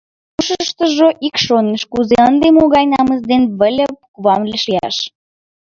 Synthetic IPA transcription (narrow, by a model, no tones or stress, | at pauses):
kuʃəəʃt̪əʒoʔikʃoneʃkuzeənd̪emoɣɑjnɑməzd̪enβəlʲepukuβɑmleʃiɑ̰ʃ